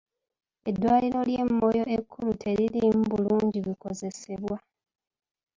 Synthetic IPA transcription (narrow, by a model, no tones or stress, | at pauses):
e̞dːwaːliɾo̞ljemːo̞jo̞ekʰːulutʰe̞ɾilimbuluːɲɟiβiko̞ze̞se̞βwa